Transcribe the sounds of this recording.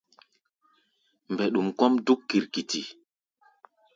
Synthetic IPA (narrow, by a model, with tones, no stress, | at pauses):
mbɛ˨ɗu˨mkɔ˦mdu˦kːi˨ɾki˨ti˨